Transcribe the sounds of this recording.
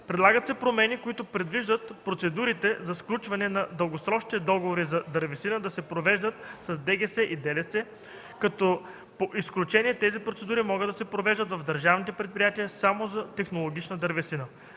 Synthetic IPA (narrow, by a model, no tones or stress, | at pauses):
pɾɛd̪lˠaɡət̪sɛpɾomɛnikoit̪ʊpɾɛd̪viʒd̪ət̪pɾot̪sɛd̪uɾit̪ɛzɐsklʲut͡ʃvɐnɛnɐd̪əlˠɡosɾɔʃnit̪ɛd̪ɔɡovoɾizɐd̪ɐɾvɛsinəd̪ɐsɛpɾovɛʒd̪ət̪sɐzd̪ɛɡɛsɛʔid̪ɛlɛsɛ | kɐt̪ɔ | poʔisklʲut͡ʃɛnʲiɛt̪ɛzipɾot̪sɛd̪uɾimɔɡəd̪ːɐsɛpɾovɛʒd̪ət̪vɐvd̪ɐɾʒavnit̪ɛpɾɛt̪̚pɾʲijat̪iəsamozɐt̪ɛxnolˠoɡʲit͡ʃnəd̪ɐɾvɛsinə